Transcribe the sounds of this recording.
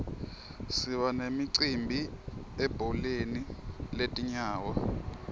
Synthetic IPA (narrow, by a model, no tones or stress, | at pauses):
siɓanemiǀimbʱiɛb̥ʱɔleniletʼiɲaːwɔ